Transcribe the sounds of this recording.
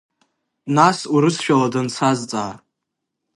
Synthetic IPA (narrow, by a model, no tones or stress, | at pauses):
nasuɾɨsʃᶣaladant͡sʰazt͡sʼaː